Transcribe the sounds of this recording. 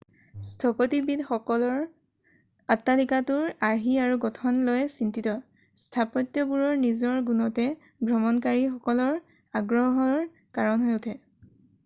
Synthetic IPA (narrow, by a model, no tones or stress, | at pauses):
stʰɔpɔtibidxɔkɔlɔɹ | atːalikatuɹaɹɦiaɹuɡɔtʰɔnlojsintitɔ | stʰapɔtjɔbuɹɔɹnizɔɹɡunɔtɛ | bɹɔmɔnkaɹixɔkɔlɔɹ | aɡɹɔɦɔɹ | kaɹɔnɦojʊtʰɛ